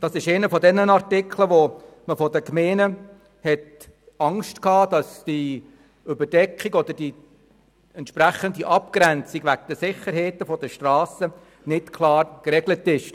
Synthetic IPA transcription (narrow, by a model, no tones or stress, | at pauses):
d̥ɑsɪʃeɪnəfɔd̪ɛnːənɑrtɪkʰləʋoməfɔdəkmeːnə | hɛt | ɑŋʃtkhɑːd̥ɑsd̥i | ʏbəd̥ɛkχiɡɔd̪əɾd̥i | ɛntʃpɾæχəndiʔɑp̚kɾænt͡sikʋækd̪̥əsɪχəɾɦeɪtəfɔd̥əʃtrɑːsə | nɪtkʰlɑːɾkɾɛɡlətɪʃ